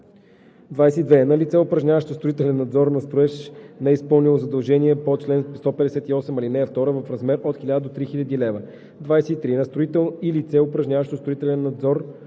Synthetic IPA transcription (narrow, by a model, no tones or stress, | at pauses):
d̪vajsɛid̪vɛnɐlit̪sɛʊpɾɐʒnʲavəʃt̪ost̪ɾʊit̪ɛlɛnːɐd̪zɔɾnɐst̪ɾʊɛʃnɛispɤlˠnilˠozɐd̪ɐlˠʒɛniɛpot͡ʃlɛnst̪ɔpɛd̪ɛsɛt̪iɔsɛmɐlinɛɐft̪ɔɾəvɐfɾɐzmɛɾot̪xilʲad̪əd̪ot̪ɾixilʲəd̪ilɛvə | d̪vajsɛit̪ɾinɐəst̪ɾʊit̪ɛlˠilit̪sɛʊpɾɐʒnɲʲavəʃt̪ost̪ɾʊit̪ɛlɛnːɐd̪zɔɾ